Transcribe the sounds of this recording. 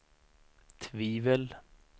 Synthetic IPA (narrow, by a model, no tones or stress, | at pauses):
t̪ʰviːvəl